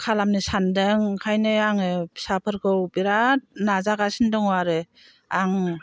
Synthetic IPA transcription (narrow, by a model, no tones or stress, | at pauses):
kʰalamnisandɯŋkʰajnɯaŋɯsapʰɯɾkʰɯwbiɾanazaɡasindɯŋaɾɯ | aŋ